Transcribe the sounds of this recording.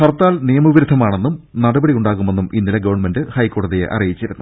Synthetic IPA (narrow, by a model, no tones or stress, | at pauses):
kɐrt̪ːaːlnijɐmɐʋiɾud̪ʱːɐmaːɳe̞nːumnɐɽɐbɐɽijuɳɖaːɣume̞nːuminːilɐɡɐʋɐɳme̞ndɨhɐjkːo̞ːɽɐðijḛʔɐ̰rijit͡ɕːiɾunːu